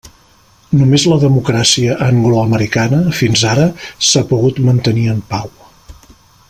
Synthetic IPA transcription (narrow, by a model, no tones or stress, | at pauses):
numezləðəmukɾasiəʔəŋɡluəməɾikanəfinzaɾəsapuɣut̪mənt̪əniəmpaw